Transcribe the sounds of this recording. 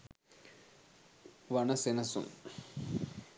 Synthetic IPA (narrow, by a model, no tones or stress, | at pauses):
ʋɐɳɐsenɐsṵm